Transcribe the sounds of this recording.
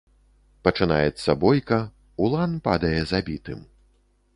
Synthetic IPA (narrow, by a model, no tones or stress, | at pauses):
pɐt͡ʂɨna̰jɛt̪sːɐbɔjkɐ | ulˠanpad̪ɐjɛzabʲit̪ɨm